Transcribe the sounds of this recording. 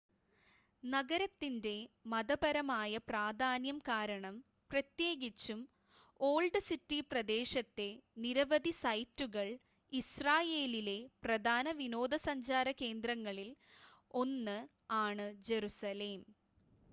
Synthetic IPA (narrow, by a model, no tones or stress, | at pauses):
nɐɡɐɾɐt̪ːinde̞mɐd̪ɐbɐɾɐmaːjɐpraːd̪ʱaːnjɐmkaːɾɐɳɐm | prɐt̪je̞ːɡit͡ɕːum | o̞ːɭɖɨsitːiprɐd̪e̞ːʂɐt̪ːe̞niɾɐʋɐd̪ʱisɐjtːuɣɐɭ | israːje̞ːlile̞prɐd̪ʱaːnɐʋino̞ːd̪ɐsɐɲd͡ʑaːɾɐke̞ːnd̪rɐŋːɐɭilo̞nːɨ | aːɳɨd͡ʑe̞ɾusɐle̞ːm